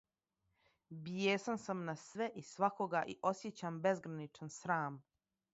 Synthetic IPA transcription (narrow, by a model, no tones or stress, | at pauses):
bijeːsansamnasʋe̞ʔisʋakoɡaʔiʔo̞sjet͡ɕambe̞zɡɾanit͡ʃansɾaːm